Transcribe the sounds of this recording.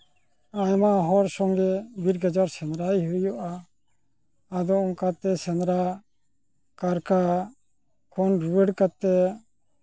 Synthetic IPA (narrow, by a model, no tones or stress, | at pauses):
ajmaɦɔɾsɔŋɡɛbiɾɡad͡ʒaɾsɛnɾajɦujɔʔa | d̪ɔɔŋkat̪ːɛsɛnɾa | kaɾka | kʰɔnɾuwɛɽkat̪ːɛ